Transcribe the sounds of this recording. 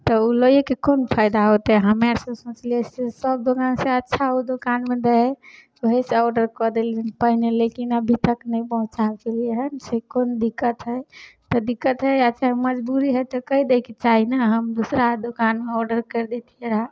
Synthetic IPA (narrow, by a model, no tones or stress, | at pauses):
t̪ɔulojekekonpʰaɪd̪aɦot̪eɦəmaɾsə̃sõt͡ʃliɛsesəbd̪okanseətːʃʰaud̪okanmed̪eɦɛ | əɦeseɔɖəɾkɔd̪eliɦənpəɦinelekinəbʱit̪əknəjpəɦũt͡ʃat͡ʃelieɦənsekond̪ikːət̪ɦət̪ɔd̪ikːət̪ɦəjətːt͡ʃʰaməd͡ʒbuɾiɦət̪ɔkəid̪eket͡ʃaɦinəɦəmd̪usɾad̪okanmeɔɖəɾkəɾd̪et̪ʰieɾa